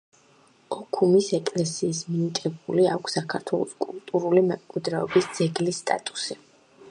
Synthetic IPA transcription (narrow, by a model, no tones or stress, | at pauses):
ɔkʰumisɛkʼlɛsiːsminit̪ʼɛbuliakʷʰsːakʰaɾt̪ʰwɛlˠɔ̰skʼulˠt̪ʼuɾulimɛmkʼwid̪ɾɛɔbisd̪z̥ɛɡlisːt̪ʼa̰t̪ʼu̥si